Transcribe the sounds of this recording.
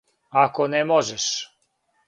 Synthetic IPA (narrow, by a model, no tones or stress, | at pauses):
akonemoʒeʃ